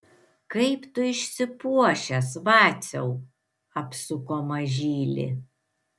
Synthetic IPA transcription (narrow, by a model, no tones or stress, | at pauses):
kɐɪpt̪ʊɪʃʲsʲɪpuɔʃʲɛsʋɑːt̪sʲɛʊ | ɐpsʊkoːmɐʒʲiːlʲɪ̰